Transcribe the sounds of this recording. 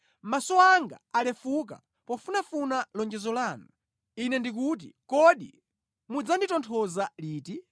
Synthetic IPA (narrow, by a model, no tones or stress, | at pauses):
masɔaŋɡa̰alɛfuk̬a̰ | pɔfunafunalɔnd͡ʒɛzɔlaːnu | inɛndik̬ut̬ikɔɗḭ | mud͡zanditɔntʰɔzaliːti